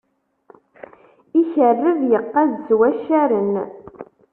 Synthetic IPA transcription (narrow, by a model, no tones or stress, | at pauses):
içərːəvjəqːædzwæʃæɾən